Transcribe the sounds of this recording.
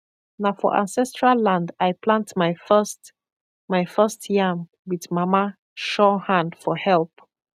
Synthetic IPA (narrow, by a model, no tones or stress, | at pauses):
nafɔ̰ʔã̰nsɛstɹalːãndajplãntmafst | majfɜstʰjãm | wiðmama | ʃɔhãndfɔhɛlˠp